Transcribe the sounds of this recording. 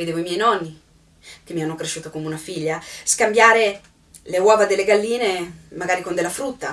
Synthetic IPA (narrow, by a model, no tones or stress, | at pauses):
ed̪eːvoimjɛjnɔnːi | k̟emːianːokɾeʃːuːt̪okomeunafiʎːaskambjaːɾe | lewɔːvad̪elːeɡalːiːnemaɡaːɾikond̪elːafɾut̪ːa